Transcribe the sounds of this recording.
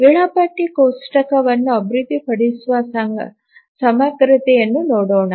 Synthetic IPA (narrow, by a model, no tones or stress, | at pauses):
ʋiɭɐpɐʈːikoːsʈɐkɐʋɐnːuɐbɾid̪ːipɐɽisʋɐ | sɐmɐɡɾɪt̪ɛjɐnːunoːɽoːɳɐ